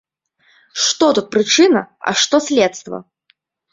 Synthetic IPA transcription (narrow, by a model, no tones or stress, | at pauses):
ʂt̪ɔt̪ut̪̚pɾɨt͡ʂɨnɐɐ̰ʂt̪ɔsʲlʲɛt̪st̪vɐ̰